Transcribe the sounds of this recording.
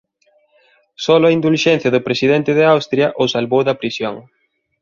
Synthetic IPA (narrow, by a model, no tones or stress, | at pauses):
sɔlʊɐind̪ulʃɛn̟θjɐðʊpɾesiðɛnt̪ɪðɪawst̪ɾjɐʔʊsalβowðɐpɾisjoŋ